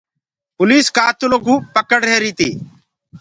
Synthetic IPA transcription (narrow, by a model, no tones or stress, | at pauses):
pʊliːskaːt̪ʊloːɡʱuːpəkəɽɦeːɾiːt̪iː